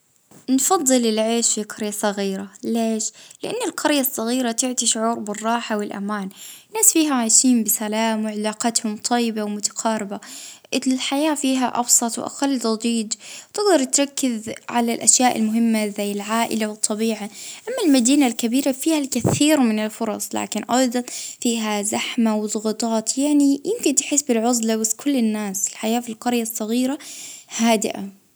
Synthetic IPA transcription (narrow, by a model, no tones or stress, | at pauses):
nfɑðˤːɨlɪlʕeːʃfiqʰɑɾjasˤɑɣiːɾaleːʃlɪʔanːalqʰɑɾjasˤːɑɣiːɾat̪ɪʕt̪iʃʊʕuːɾbɪrˤːɑːħawɪlʔa̰maːnnːaːsfiːɦaʕajʃiːmbɪsalaːmwɪʕɪlaːqɑt̪hʊmt̪ˤʰɑjːɪbawmʊt̪ḁqʰɑːɾɪbaʔɪlħajaːfiːɦa̰ʔɑ̰bsˤɑt̪ˤw̰ʔa̰qɑlːt̪ɑd̪ˤiːd͡ʒwt̪ɪɡd̪ɑɾˤt̪ɾˤɑkːɪzʕa̰lalʔaʃjaːʔɪ̰lmʊɦɪmːazajːɪlʕaːʔɪ̰lawɨt̪ˤːɑbiːʕaʔamːalmad̪iːnalkabiːɾafiːhalkaθiːɾmɪnɪlfʊɾˤɑsˤla̰ːkɪnʔɑjd̪ˤɑnfiːɦazaħmawðˤʊɣɑt̪ˤɑːt̪jaʕnijʔɪmkɪnt̪ħɪsːbɪlʕʊzlabaskʰʊlːɪnːaːsɪlħajaːfilqɑɾjasˤːɑɣiːɾahaːd̪ɪ̰ʔa̰